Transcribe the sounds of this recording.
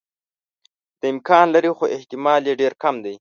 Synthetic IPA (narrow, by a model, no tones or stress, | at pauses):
d̪̥əɪmkɑnlaɾixoʔɪht̪ɪmɑljeɖeɾkamd̪aj